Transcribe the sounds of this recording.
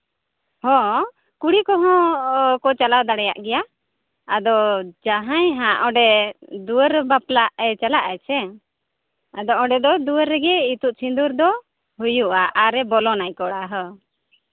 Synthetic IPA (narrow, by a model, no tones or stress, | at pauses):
hɔ̃ | kuɽikɔɦɔ̃kɔt͡ʃalawd̪aɽɛja̰ʔɡɛjaː | d̪ɔd͡ʒaɦãjɦãʔɔɖɛd̪uəɾbaplaʔɛt͡ʃalaʔɛt͡ʃʰɛ | ad̪ɔʔɔ̃ɖɛd̪ɔd̪uəɾːɛɡɛit̪uʔt͡ʃʰind̪uɾd̪ɔ | ɦujuʔaʔaɾɛbɔlɔnajkɔɽaɦə